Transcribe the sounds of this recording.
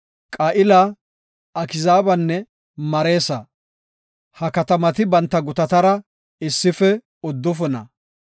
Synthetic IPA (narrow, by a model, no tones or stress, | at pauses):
kʼɐʔɪla | ɐkɪzaːbɐnːɛ | mɐɾe̞ːsɐ | hɐkɐt̪ɐmɐt̪ɪbɐnt̪ːɐɡʊt̪ɐt̪ɐɾɐ | ɪsːɪfɛ | ʊd̪ːʊfʊnɐ̰